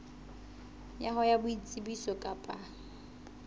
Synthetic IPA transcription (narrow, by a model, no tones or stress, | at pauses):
jaχɔjabʊit͡sʼibisɔkʼapʼa